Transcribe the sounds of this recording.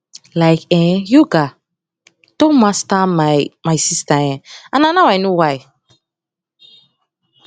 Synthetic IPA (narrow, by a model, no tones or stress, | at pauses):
lajkɛjuɡa | tomastamajmajsistaɛ̃ananawajnuwaj